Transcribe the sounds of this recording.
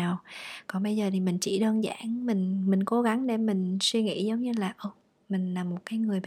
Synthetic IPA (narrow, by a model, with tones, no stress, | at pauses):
aː˨˩wkɔ˨˩nɓə˧jzəː˨˩t̪ʰi˨˩mï˨˩ŋ̟t͡ɕḭ˧˩ɗəː˧nza̰ː˧˥nmï˨˩ŋ̟mï˨˩ŋ̟ko˨˦ɣa˨˦ŋɗe˧˩mï˨˩ŋ̟swi˧ŋḭ˧˥zə˨˦wŋ͡mɲɨ˧laː˨˩ʔəː˧ | mï˨˩ŋ̟laː˨˩mːo˨˩t̚kaː˨˦jŋɨ˨˩əj